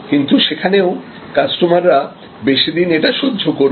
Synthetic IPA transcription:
kint̪uʃekʰaneo | kasʈomaɾɾa | beʃid̪ineʈaʃodʱokoɾ

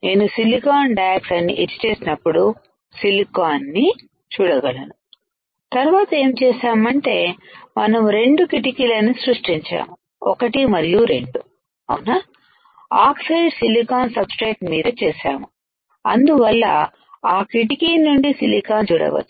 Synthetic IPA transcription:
ne̞ːnusilikaːnɖaːksɐnːḭʔet͡ʃːi̥t͡ʃeːsinɐpːuɽu | silikaːnːi | t͡ʃuːɽɐɡɐlɐnu | t̪ɐɾʋaːt̪ɐe̞ːmt͡ʃeːʃaːmɐɳʈe̞ːmɐnɐmɾe̞ɳɖukiʈ̬ikilɐnːisɾuʂʈiɲt͡ʃa̰ːmu | ɔ̰kɐʈimɐɾijuɾe̞̰ɳɖu | ɐ̰wunaː | aːksɐjɖsilikaːnsɐbsʈeːʈmiːd̪ɐt͡ʃɛːʃa̰ːmu | ɐ̰nd̪uʋɐlːɐ̰ | aːkiʈikinːuɳɖisilikaːnt͡ʃuːɽɐ̰ʋɐ̰t͡ʃːu̥

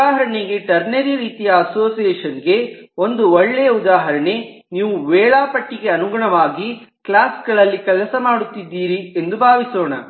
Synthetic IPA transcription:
aːɦɐɾɐɳeɡe̞ʈɐɾneɾiɾiːt̪ijɐɐso̞ːsijɛːʂɐnɡe̞o̞nd̪uɔɭːejɐud̪aːɦɐɾɐɳe̞ | niːʋuʋɛːɭaːpɐʈːiɡe̞ɐnuɡɐɳɐʋaːɡi | klaːsɡɐɭɐlːikɛlɐsɐmaːɽut̪ːid̪ːiːɾiend̪ubʱaːʋisoːɳɐ

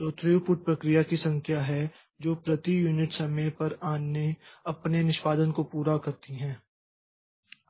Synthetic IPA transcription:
t̪oːt̪ɾijupʊʈ̚pɾɐkɾijakisɐ̃ŋkʰjaɦɛ | d͡ʒoːpɾɐt̪ijuːnɪʈsɐməjpɐɾaːneɐpnenɪʃpaːd̪ənkopuːɾakɐɾt̪iɦɛ̃ː

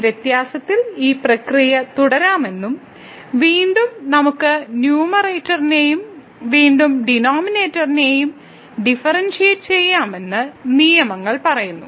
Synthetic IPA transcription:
ʋjet̪jaːsɐt̪ːiliːprɐkrijɐt̪uɽɐɾaːme̞nːum | ʋiːɳɖumnɐmukːɨnjuːmɐreːtːɐrinejum | ʋiːɳɖumɖinoːmineːtːɐrine̞ːjum | ɖifɐrɐnʂeːʈɨt͡ɕe̞jːaːme̞nːɨnijɐmɐŋːɐɭpɐrɐjunːṵ

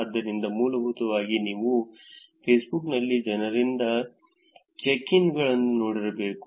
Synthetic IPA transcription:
d̪ːɐɾind̪ɐmuːlɐbʱut̪ɐʋaːɡiniːʋu | pʰeːsbuknɐlːid͡ʒɐnɐɾind̪ɐ | t͡ʃekiŋɡɐɭɐnːuno̞ːɽiɾɐbe̞ːku

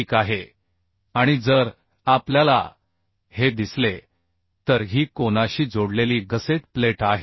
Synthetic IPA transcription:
kaɦe | aɽ̃id͡zəɾ | apljala̰ | hed̪isle | t̪əɾɦiːkoñaɕiːd͡zoɽleliːɡəseʈ̚pleʈaɦe

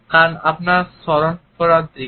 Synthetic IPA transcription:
kanapnaɾsɔɾonfɔɾad̪i

